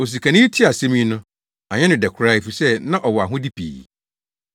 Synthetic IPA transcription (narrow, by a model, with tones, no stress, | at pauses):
o˨s̬i˨kʰã˨nĩ˦tʰi˦a˨sɛ˦mĩ˦nʊ̃˦ | a˨ɲɛ̃˦nʊ̃˨dɛ˨kʰɾa˦i˦fu˨sɛ˦nã˦ʔɔ˨wɔ˨a˨ɦʊ̃˦di˦pʰḭː˨